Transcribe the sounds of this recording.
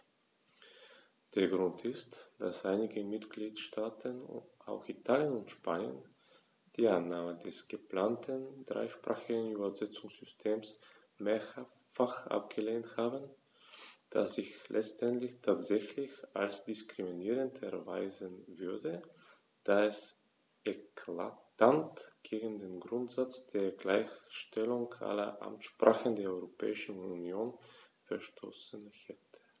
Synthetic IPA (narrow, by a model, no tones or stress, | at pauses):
d̥eːɐɡʁʊntʰɪstd̥asʔaɪnɪɡəmɪtɡ̥liːtʃtʰaːtʰənʔa̰ʊxitʰaːljənʊntʃpaːnjə̰n | d̥iːʔanːaːməndɛsɡ̥əplaːntʰənd̥ʁa̰ɪʃpʁ̥a̰ːχɪɡən̩yːbɐzɛt͡sʊŋsz̥ʏstʰeːms | meːɐ | faχʔa̰p̚ɡ̥əleːnthaːbən | d̥a̰sɪçlʔɛt͡stɛntlɪçtʰaːtz̥ɛçlɪça̰lsd̥ɪskʁ̥iminiːʁ̞əntʰɛɐvaɪzənvʏɐdə | d̥aːɛs | ʔɛkʰla̰tantɡ̥eːɡn̩deːnɡʁʊntz̥at͡sd̥eːɐɡlaɪçʃtɛlʊŋʔa̰lɐ̰ʔa̰mtʃpʁ̥aːχəndeːɐɔʏʁopʰɛ̰ːɪʃn̩unjoːnfɛɐʃtʰo̰ːsənhɛtʰə̥